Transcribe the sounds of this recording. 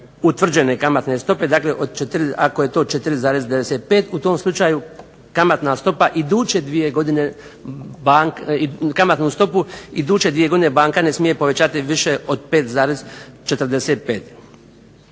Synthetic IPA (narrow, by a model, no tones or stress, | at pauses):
ut̪ʋr̩d͡ʑe̞ne̞kamat̪ne̞st̪o̞pe̞d̪aːkle̞ʔod̪̚t͡ʃet̪ɾiakoje̞t̪o̞ːt͡ʃet̪ɾizaːɾe̞zd̪eʋeset̪̚peːt̪ut̪o̞ːmslˠut͡ʃaːju | kamat̪nast̪o̞paʔid̪uːt͡ʃe̞d̪ʋije̞ɡo̞d̪ine̞ | baikamat̪nust̪o̞puid̪uːt͡ʃe̞d̪ʋije̞ɡo̞d̪inebaːŋkanesmije̞po̞ʋet͡ɕaːt̪iʋiʃe̞o̞d̪̚peːt̪zaːɾezt͡ʃet̪rd̪e̞set̪̚peːt̪